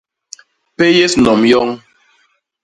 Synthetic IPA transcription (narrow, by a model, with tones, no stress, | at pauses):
pe˦je˦snɔ˨mjɔ˦ŋ